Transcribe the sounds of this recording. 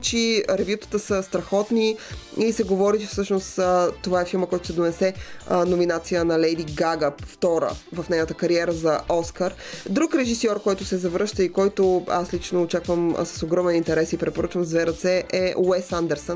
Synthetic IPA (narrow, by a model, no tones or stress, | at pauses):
t͡ʃiɾɛvjut̪ə̥t̪əsəst̪ɾɐxɔt̪niisɛɡovɔɾit͡ʃɛfsɤʃnost̪ət̪ovaɛfilˠməkɔjt̪ʊsɛd̪onɛsɛnominat̪sijənɐlɛjd̪iɡaɡəpft̪ɔɾə̰vɐfnɛjnət̪əkɐɾiɛɾəzɐɔskəɾd̪ɾukɾɛʒisɔɾkɔjt̪ʊsɛzɐvɾɤʃt̪əikɔjt̪oa̰slit͡ʃnoːt͡ʃakvəm̰sɐ̥soɡɾɔmɛnint̪ɛɾɛsipɾɛt̪̚poɾɤt͡ʃvəmzvɛɾət̪sɛʔɛwɛsand̪ɛɾsən